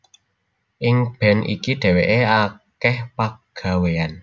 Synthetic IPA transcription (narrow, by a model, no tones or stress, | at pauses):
ʔɪŋb̥ɛnḭkiɖ̪̥ɛ̤weʔeakɛhpaɡ̥a̤wean